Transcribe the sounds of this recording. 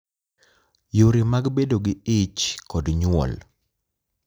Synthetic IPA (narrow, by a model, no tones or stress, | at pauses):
joɾimaɡbedoɡɪɪt͡ʃkɔdɲwɔ̰l